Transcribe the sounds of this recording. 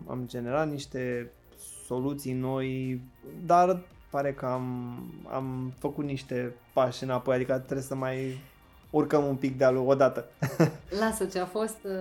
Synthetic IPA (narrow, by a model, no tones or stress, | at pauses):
a̰md͡ʒe̞ne̞ɾat̪niʃt̪e̞ | so̞lut̪sijno̞j | d̪arpaɾe̞kəama̰mfəkut̪niʃt̪e̞paʃɨnapo̞jad̪ikət̪ɾesəmaj | urkəmumpik̚d̪ealoɡod̪at̪ə | lasət͡ʃeafo̞st̪